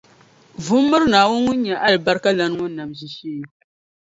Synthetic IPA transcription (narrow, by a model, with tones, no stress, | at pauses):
vʊ˦mːɨ˦ɾnaː˨wʊ˦ŋʊ˦ɲ˦ɲa˨ʔa˦lba˦ɾka˦la˦n˦ŋʊ˦nː˦a˨mzi˨ʃiː˦j